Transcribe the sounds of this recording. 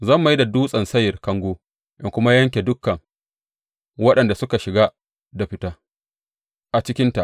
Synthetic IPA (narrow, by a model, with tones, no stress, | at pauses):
zɐ˦˨mːa˨ji˦da˨duː˦sʼɐ˨nsɐ˦jɪ˨rkɐ˦ŋɡʷoː˦ | ʔɪ˦ŋkʷʊ˦ma˦jɐ˦ŋkʲe˨dʊ˦kːɐ˨ŋ | wɐ˦ɗɐ˨nda˨sʊ˦ka˨ʃɪ˨ɡaː˦ | da˨ɸɪ˦ta˦ | ʔa˨t͡ʃɪ˦kʲɪ˦nta˨ʔ